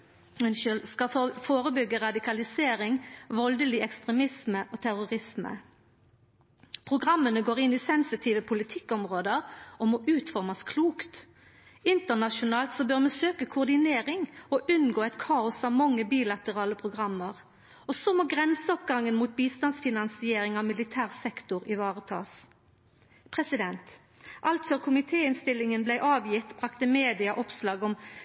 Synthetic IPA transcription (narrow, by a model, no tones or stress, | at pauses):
ɛnʃlskɑfoːʁəbʏɡːəʁɑd̪ɪkʰɑlɪseːʁɪŋʋɔld̪əlɪɛkst̪ʁɛmɪsməʔɔt̪ʰæʁʊʁɪsmə̰ | pʰʁʊɡʁɑmːənəɡoːʁɪnːɪsɛnsɪt̪ʰiːʋəpʰʊlɪt̪ʰɪkːɔmʁoːd̪əʁɔmɔʔʉːt̪fɔʁmɑskʰluːkt̪ | ɪnt̪əʁnɑʃʊnɑːlt̪sɔbœʁmɛsøːkəkʰʊʁd̪ɪneːʁɪŋɔʔʉnɡoːɛt̪kʰɑːʊsɑʋmɑŋːəbiːlɑt̪əʁɑːləpʰʁʊɡʁɑmːəʁ | ɔsɔmɔɡʁɛnsəɔpɡɑŋːənmuːt̪̚biːst̪ɑnsfɪnɑnsɪeːʁɪŋɑʋmɪlɪt̪ʰæːʁsɛkt̪ʊʁɪʋɑːʁət̪ʰɑ̰ːs | pʰʁɛsɪd̪ɛnt̪ | ʔɑlt̪fœʁkʰʊmɪt̪ʰeːɪnst̪ɪlːɪŋənblæɪʔɑːʋjɪt̪ːbʁɑkt̪əmeːd̪ɪɑʔɔpslɑːɡɔm